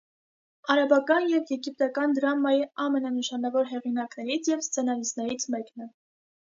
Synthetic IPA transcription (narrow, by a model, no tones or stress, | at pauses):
ɑɾɑbɑkɑnjɛvjɛɡip̚t̪ɑkɑnd̪ɾɑmɑjiɑmɛnɑnəʃɑnɑvɔɾɦɛʁinɑknɛɾit͡sʰjɛvst͡sʰɛnɑlisnɛɾit͡sʰmɛknɛ